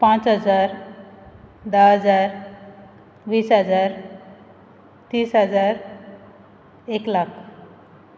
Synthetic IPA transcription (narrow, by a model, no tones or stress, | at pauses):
pãt͡sɦəd͡zaɾ | d̪aɦəd͡zaɾ | ʋiːsɦəd͡zaɾ | t̪iːsɦəd͡zaɾ | eklakʰ